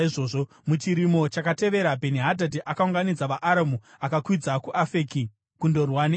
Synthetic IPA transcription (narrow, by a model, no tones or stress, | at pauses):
iʐoːʐo | mut͡ʃiɾimo̞t͡ʃakate̞ʋe̞ɾabʱeniɦadʱadiʔakauŋɡanid͡zaʋaʔaɾamu | akakwid͡zakuʔafeːki | kundo̞rwan